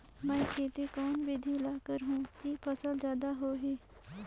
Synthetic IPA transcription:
mɛ̃ːkʰeːt̪ekɔːnʋɪd̪ʱilaːkəɾɦũːkipʰəsəld͡ʒjaːd̪aɦoːɦeː

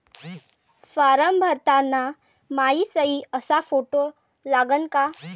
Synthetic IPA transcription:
faɾəmbʱəɾt̪anːa | maisəiəsafoʈo | laɡənka

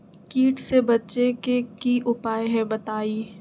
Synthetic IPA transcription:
kiːʈsebɐtːʃekekiʔʊpaːeɦɛ̃bɐt̪aːiː

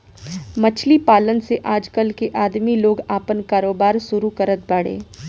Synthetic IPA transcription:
mɐt͡ʃʰlipaːlənseʔaːd͡ʒkəlkeʔaːd̪miloːɡaːpənkaːɾoːbaːɾsʊɾukɐɾət̪̚baːɽḛː

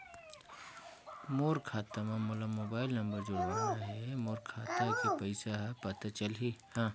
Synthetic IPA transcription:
moːɾkʰaːt̪amamolamoːbaːɪlnɐmbəɾd͡ʒʊɽaɦaɦɛmoːɾkʰaːt̪akipɐɪsaɦpɐt̪at͡ʃəlɦihã

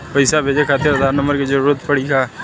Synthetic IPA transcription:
pəɪsabʱeːd͡ʒekʰaːt̪eəd̪ʱaːɾnə̃mbəɾked͡ʒəɾuːɾət̪pəɽ̤ikʰaː

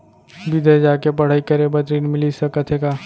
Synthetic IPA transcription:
bid̪ʱed͡ʒaːkepɐɽ̤aːikəɾebət̪ɾiːnmɪlisɐkət̪ʰeːɡaː

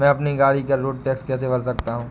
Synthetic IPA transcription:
mɛ̃ɐpniɡaːɽikɐɾɾoːɖ̚ʈɛːkskɛːsebɐɽsɐkt̪aɦũː

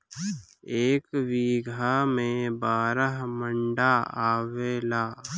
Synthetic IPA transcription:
eːkwiːɡʱamẽbaːɾəɦmə̃ɳɖaaːʋeːlaː

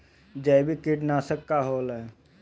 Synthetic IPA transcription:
d͡ʒabʱikiʈnasəkːaɦoːlɛ

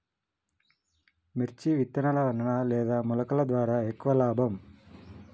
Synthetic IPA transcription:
meɾt͡ʃiʋit̪ːɐnɐlɐʋɐnɐnɐlɛːd̪aːmulɐkɐlɐd̪ʋaːɾaːekːuʋɐlaːbʱɐm

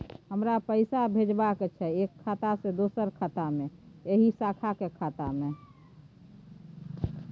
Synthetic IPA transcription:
ɦəmɾapəɪsabʱed͡ʒbaket͡ʃʰɛekʰːat̪ased̪osəɾkʰat̪amẽeɦisakʰakekʰaːt̪ame

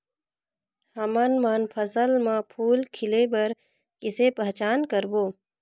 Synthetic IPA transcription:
həmənmanpʰəsəlmãpʰuːlkʰɪlebəɾ | kɪsepəɦt͡ʃaːnkəɾboː

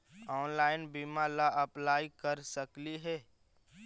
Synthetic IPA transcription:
ɔːnlaːɪnbimalaʔɐplaːikəɾsəkliɦɛː

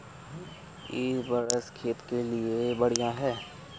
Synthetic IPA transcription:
ɪːbəɾəskʰeːt̪keliebɐɽ̤ijaɦɛː

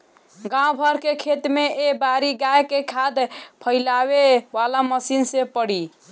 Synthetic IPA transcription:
ɡãõbʱəɾkekʰet̪meebaɾiɡajkekʰad̪pʰəɪlaβebalaməsinsẽpəɽi

